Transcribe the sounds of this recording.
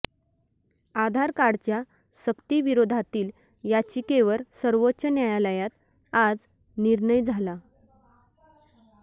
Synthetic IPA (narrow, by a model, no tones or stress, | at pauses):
ad̪ʱaɾkaɽt͡ɕja | səkt̪iʋiɾod̪ʱat̪iːl | jat͡ɕiːkeʋəɾsəɾʋotːɕənjajaləjat̪ | ad͡z | niɾɳəjd͡zʱala